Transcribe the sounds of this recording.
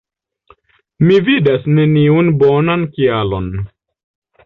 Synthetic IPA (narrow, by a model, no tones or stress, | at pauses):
mividasneniunbonankialon